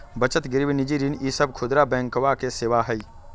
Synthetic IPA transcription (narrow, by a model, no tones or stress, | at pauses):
bət͡ʃət̪ɡɪɾʋinɪd͡ʒiɾinʔisəb̚kʰʊd̪ɾabɛ̃ːŋkʋakeseːʋaɦɛi